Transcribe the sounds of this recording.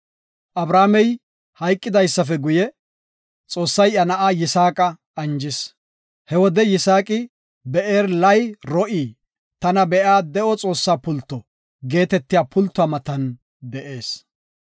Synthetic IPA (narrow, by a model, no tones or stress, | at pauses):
ʔɐbɾaːmɛj | hɐjkʼːɪd̪ɐjsːɐfɛɡʊjɛ | t͡sʼo̞ːsːɐjʔɐnɐʔaːjɪsaːkʼɐ | ʔɐnd͡ʒɪs | hɛwɔd̪ɛjɪsaːkʼɪ | bɛʔeːɾlɐjɾɔʔiː | t̪ɐnɐbɛʔaːd̪ɛʔɔt͡sʼo̞ːsːaːpʊlt̪ːɔ | ɡe̞ːt̪ɛt̪ːɪjaːpʰʊlt̪ːʊaːmɐt̪ɐn | d̪ɛʔe̞ːs